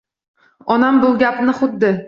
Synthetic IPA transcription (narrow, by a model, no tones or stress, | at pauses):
ɒnambʊlˠɡʲapnɪχʊt̪ːɪ